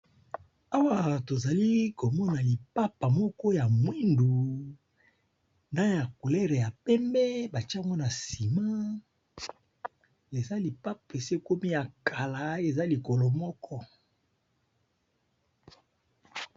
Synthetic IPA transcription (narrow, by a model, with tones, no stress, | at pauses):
a˦wa˦˨to˨za˨li˦ko˨mɔ˦na˨li˨pa˦pa˨mɔ˦kɔ˦ja˨mwi˦ndu˨ | nda˦ja˨ku˨lɛ˦ʁe˨ja˨pɛ˦mbɛ˦ba˨t͡ʃa˦ŋɡo˦na˨si˨ma˦ | e˨za˦li˨pa˦pe˨se˦ko˦mi˦ja˨kʰa˨la˨e˨za˦li˨ko˨lo˨mɔ˦kɔ˦